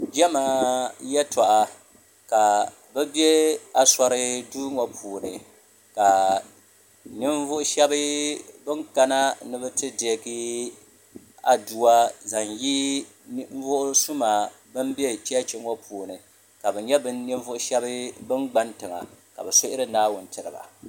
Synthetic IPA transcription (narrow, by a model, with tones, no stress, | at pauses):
d͡ʒɛ˦maː˨jɛ˦tɔ˨ʔa˨ | ka˨ | bɛ˦bje˦a˨sa˦ɾɨ˦duː˦ŋo˨pʰuː˨nɨ˨ | ka˨ | nɪ˦ɱ˦vʊ˦ʔʊ˦ʃɛ˦bɨ˦bɨ˦ŋka˦na˦nɨ˦bɨ˦tɨ˦de˨˦ɡi˦ | a˦du˨wa˦za˨ŋji˦ | ɱ˦vʊ˦ʔʊ˦su˦maː˨ | bɨ˦mbɛ˦t͡ʃi˦a˦t͡ʃɪ˦ŋo˦pʰuː˨nɨ˨ | ka˨bɛ˨ɲɛ˦bɨ˦nːɪ˦ɱvʊ˦ʔʊ˦ʃɛ˦bɨ˦bɨ˦nɡ͡ba˦ntɨ˨ŋa̰˨ka̰˨bɛ˨sʊ˦ʔɪ˦ɾɨ˦naː˦wʊ˨n˦tɨ˨ɾɨ˨ba̰˨